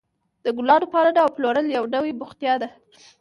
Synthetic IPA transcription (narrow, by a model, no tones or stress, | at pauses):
d̪̥əɡʊlɑd̪ʊpɑɾad̪awploɾəljawɖawebʊxt̪jɑd̪a